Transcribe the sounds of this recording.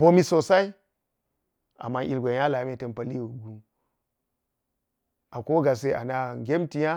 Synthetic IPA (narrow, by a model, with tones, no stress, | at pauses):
bo˦mi˨so˨sa˦i˦ | a̰˨mːa˦ʔi˨lɡʷo˨˦ja˦la˨˦me˦ta˨npa˦li˦wu˨ɡu˦ | a˨ko˦ɡa˨s̬e˦a̰˨na˨ɡʲe˦mti˨ja˦